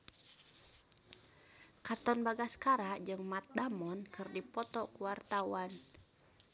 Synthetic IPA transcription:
kat̪ɔnbaɡaskaɾad͡ʒɨŋmat̪̚damɔnkɨrdipɔt̪ɔkuwart̪awan

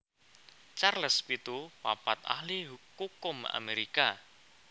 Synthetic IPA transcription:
t͡ʃarləspit̪upapat̪a̰hliɦukukʊma̰meɾika

